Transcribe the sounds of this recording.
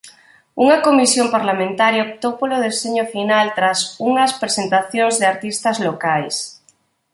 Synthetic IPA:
uŋakomisjompaɾlamẽnt̪aɾjaop̚t̪owpoloð̞eseɲofinalt̪ɾasuŋɐspɾesent̪aθjoŋzðeaɾt̪ist̪azlokajs

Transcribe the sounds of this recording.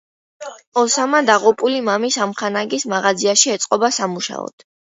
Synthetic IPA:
ɔsamad̪aʁupʼulimamisamχanaɡismaʁad̪ziaʃiɛt̪sʼqʼɔbasamuʃa̰ɔ̰d̪̥

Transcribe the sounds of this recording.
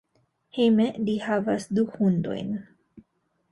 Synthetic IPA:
hemelihavasd̪uhund̪o̞̰jn

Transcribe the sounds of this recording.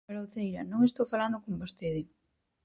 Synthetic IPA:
beɾoθejɾɐnõŋest̪owfaland̪okombost̪eðɪ

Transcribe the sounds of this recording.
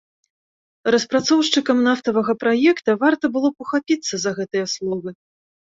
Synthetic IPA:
rɐspɾat̪sɔwʂt͡ʂɨkɐmnaft̪ɐvɐɣɐpɾajɛkt̪ɐvart̪ɐbɨlˠɔpɐxapʲit̪sːɐzɐɣɛt̪ɨjɐslˠɔvɨ

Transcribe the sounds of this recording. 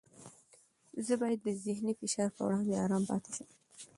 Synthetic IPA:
zəbɑjad̪ːəzɪhnifɪʃɑɾpə̰wɽɑnd̪eɑɾɑmpɑ̰t̪e̥ʃəm

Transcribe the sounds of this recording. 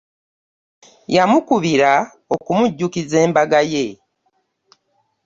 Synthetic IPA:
jamukuβiɾa | okumuɟːukize̞ːmbaɡaje̞

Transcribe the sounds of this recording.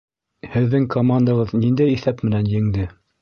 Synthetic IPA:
hɘ̆ðːɘŋkʰomand̪ɑʁɤðnind̪æjiθæpmɘ̆nænjɘ̆ŋd̪ɘ

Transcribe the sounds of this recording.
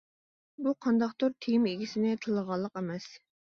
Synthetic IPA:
buqʰɑnd̪ɑqt̪oɾt̪ʰejimeɡʲisɪnɪt̪ʰɨlˠəʁɑlˠːəqemɛs

